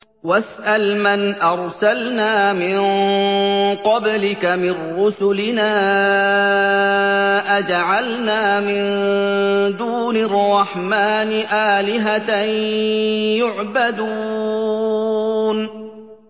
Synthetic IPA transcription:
wasʔalmanʔɑɾˤsalnaːmɪn | qɑblɪkamɪnɾʊsʊlɪnaː | ʔad͡ʒʕalnaːmɪn | d̪uːnrˤːɑħmaːnɪʔaːlɪɦat̪a | jʊʕbad̪uː | n

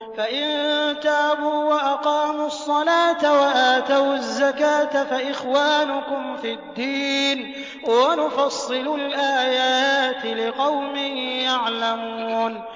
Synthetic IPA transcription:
faʔɪnt̪aːbuːwaʔaqɑːmʊsˤːɑlaːt̪awaʔaːt̪awazːakaːt̪afaʔɪxwaːnʊkʊmfid̪ːiːn | wanʊfɑsˤːɨlʊlʔaːjaːt̪ɪlɪqɑwmɪhjaʕlamuːn

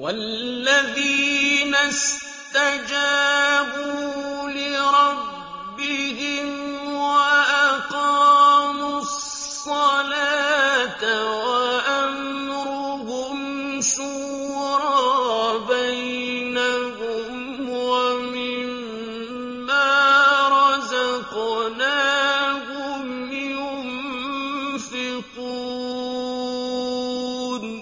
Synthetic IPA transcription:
walːaðiːnas | tt̪ad͡ʒaːbuːlɪɾˤɑbbː | ɪhɪmwaʔaqɑːmʊsˤː | ɑlaːt̪awaʔam | ɾʊɦʊm | ʃʊwwɾɑbajnakʊm | wamɪmː | aːɾˤɑzaqnaːkʊm | ɪʊm | fiqu | d

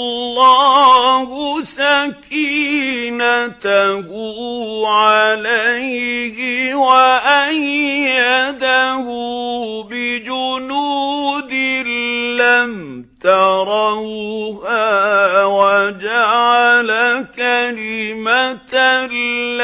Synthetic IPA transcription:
lːɑːhʊsakiːnat̪ahuʕalajhɪwaʔajːad̪ahʊbɪd͡ʒʊnuːd̪ɪlam | t̪ɑɾˤɑhhaːwad͡ʒaʕalakalɪmat̪a

